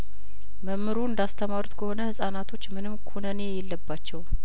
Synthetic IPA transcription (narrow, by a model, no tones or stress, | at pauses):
məmːɨɾuɨnd̪ast̪ʰəmaɾut̪kʰəho̞nəhɨsʼanat̪ʰo̞t͡ʃːmɨnɨmkʰunənejɛlːəbːat͡ʃːɛw